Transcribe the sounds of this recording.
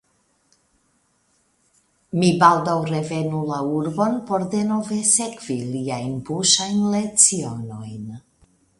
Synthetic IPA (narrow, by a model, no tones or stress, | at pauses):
mibaldawɾe̞ve̞nulauɾbo̞npo̞ɾde̞no̞ve̞se̞kv̥iliajnbuʃajnle̞t͡sio̞no̞jn